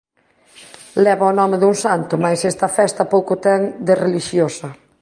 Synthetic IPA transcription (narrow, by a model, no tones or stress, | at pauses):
lɛβɐonɔmeðuŋsant̪ʊmajsɛst̪ɐfɛst̪ɐpowkʊt̪ɛŋd̪ereliʃjosɐ